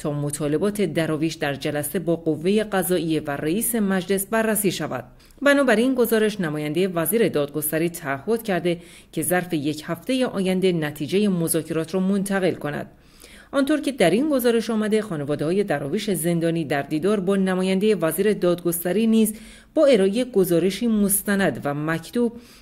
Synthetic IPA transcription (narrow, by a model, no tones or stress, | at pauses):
t̪ʰɒːmo̞t̪ʰɒːle̞bɒːt̪ʰe̞d̪æɾɒːviːʃd̪æɾd͡ʒælæse̞bɒːɡo̞vːe̞je̞ɢæzɒːije̞væreiːse̞mæd͡ʒle̞sbærːæsiːʃævæ̰d̪̥̚ | bænɒːbæɾinɡo̞zɒːɾe̞ʃnæmɒːjænd̪e̞jevæziːɾe̞d̪ɒːd̪̚ɡo̞st̪æɾiːt̪ʰæːhːo̞d̪̥cʰæɾd̪e̞ | cʰe̞zæɾfe̞je̞cʰhæft̪e̞je̞ʔɒːjænd̪e̞næt̪ʰiːd͡ʒe̞je̞mozɒːcʰe̞ɾɒːt̪ʰɾɒːmo̞nt̪ʰæɣe̞lkʰo̞næ̰d̪̥ | ʔɒnt̪o̞ɾce̞d̪æɾinɡo̞zɒːɾe̞ʃɒːmæd̪e̞xɒːne̞vɒːd̪eɒːje̞d̪æɾɒːviʃe̞ze̞nd̪ɒːniːd̪æɾd̪iːd̪ɒːɾbɒːnæmɒːjænd̪eje̞væziːɾe̞d̪ɒːd̪̚ɡo̞st̪æɾiːniːz | b̥ɒːe̞ɾɒːʔejeɡozɒːɾe̞ʃiːmost̪ænæd̪væmæcʰt̪uːb̥̚